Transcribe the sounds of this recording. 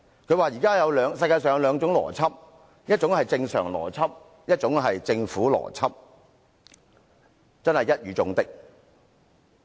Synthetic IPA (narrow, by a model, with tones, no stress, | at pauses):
kʰɵ˨˧ɥwaː˨jiː˨˩kaː˥jɐ˨˧wlœː˨˧˥ŋsɐ˧jkaː˧jsœː˨ŋjɐ˨˧wlœː˨˧ŋt͡sʊ˨˥ŋlɔ̰ː˨˩t͡sʰɐ˥p̚ | jɐ˥t̚t͡ʃʊ˨˥ŋhɐ˨jt͡sɪ˧ŋsœ̰ː˨˩ŋlɔ̰ː˨˩t͡sʰɐ˥p̚ | jɐ˥t̚t͡ʃʊ˨˥ŋɦɐ˨jt͡sɪ˧ŋfuː˨˥lɔ̰ː˨˩t͡sʰɐ˥p̚ | t͡sɐ˥nhɐ˨jɐ˥t̚jyː˨˧t͡sʊ˧˥ŋt̪ɪ˥k̚